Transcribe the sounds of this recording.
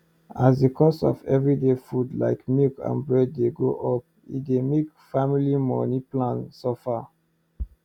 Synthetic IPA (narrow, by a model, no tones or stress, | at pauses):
asdekʰɔsɔ̰vɛvɹidefudla̰ɪkmilkã̰nbɹɛd̚ːeɡoʔɔp̚ | ḭt̚demek | familimɔ̰niplãnsofa